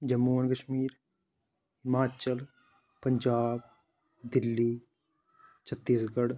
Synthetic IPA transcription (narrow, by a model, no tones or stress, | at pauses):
d͡ʒɐmːuːənkɐʃmiːɾ | ɪmaːt͡ʃəl | pɐɲd͡ʒaːb | d̪ɪlːiː | t͡ʃʰɐt̪ːiːsɡəɽ